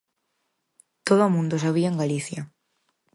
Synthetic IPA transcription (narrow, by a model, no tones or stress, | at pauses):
t̪oðoomũnd̪osaβ̞iaeŋɡaliθjɐ